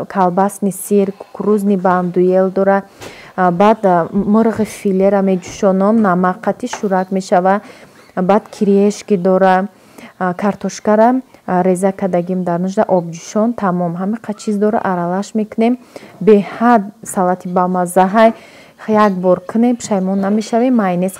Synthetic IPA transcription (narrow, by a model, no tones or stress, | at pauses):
kʰalbasmisiɾkʰu̥kʰɾuzniband̪ujeld̪ɔɾa | bad̪mɨɾʁifileɾamed͡ʒu̥ʃɔnɔmnamaqʰːat̪ʰiʃuɾat̪me̞ʃava | bad̪̥kʰiɾieʃkid̪ɔɾa | kʰaɾt̪ʰɔʃkaɾamɾe̞zakʰad̪aɡimd̪aɾnuʃd̪aʔɔb̚d͡ʒuʃɔnt̪ʰamɔmɦamiqʰat͡ʃʰizd̪ɔɾa̰ʔaɾalaʃme̞kʰunembehad̪̚salat̪ʰibalmazaɦaj | jakbɔɾkʰɨne̞mpʰɨ̥ʃajmɔnːame̞ʃavemːajnes